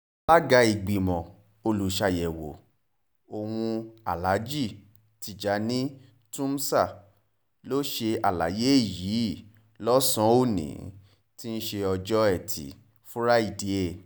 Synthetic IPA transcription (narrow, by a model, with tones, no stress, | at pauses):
la˦ɡa˨˧˦i˨ɡ͡bi˨mɔ̃˨ | o˧lu˨ʃa˧jɛ˨wo̰˨ | o˨wũ˧a˨la˨˦d͡ʒi˦˨ | ti˧˨d͡ʒa˨˦nĩ˦ | tũ˦m˦sa˦˨ | lo˦ʃe˧a˨la̰˨˦je˦i˦˨ji˨˦˨ | lɔ˦sɔ̃˦o˦˨nḭ̃˨˦ | ti˦n̩˦ʃe˧ɔ˧d͡ʒɔ˦ɛ˦˨tʰḭ˨ | fu˦ɾa˦i˦˨di˨˦e˦˨